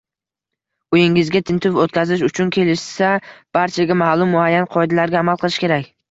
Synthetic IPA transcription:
ojɪŋɪzɡʲat̪ʰɪnt̪ʰʊfot̪̚kʲʰazɪʃ̬ʊt͡ʃʰʊnkʲʰe̞lɪʃsab̥aɾt͡ʃʰaɡʲamahlˠʊmːʊajːanqʰɒjd̪alaɾɡʲaːmalˠqʰɨlˠɪʃkʲʰe̞ɾakʲ

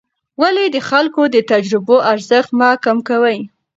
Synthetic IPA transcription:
waled̪əxalkod̪ət̪ad͡ʒɾɪboʔaɾzəxt̪mɑkamkawəj

